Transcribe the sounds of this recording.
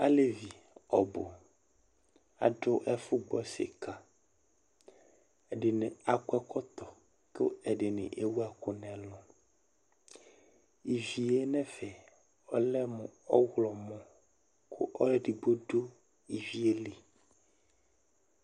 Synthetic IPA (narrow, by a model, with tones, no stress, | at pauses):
a˦le˦vi˨ | ɔ˨bo˨ | a̰˨ɖo˦ʔɛ˦fu˦ɡ͡bɔ˦sḛ˨ka˨ | ɛ˨ɖe˨nɛ̃˨a˨kɛ˦kɔ˦t̪ɔ˨ | ko̰˦ɛ˨ɖe˨nḛ̃˨ʔe˦wu˦a˨ko˦nɛ̃˨lɔ̃˦˨ | i˨vi˨e˦nɛ̃˦fɛ˨ | ɔ˦lɛ˦mũ˨ɔ˦ɣlɔ˨mɔ̃˦ | kʰo˦ʔɔ˦lɖi˨bo˦ɖo˦ | i˨vi˦e˦li˨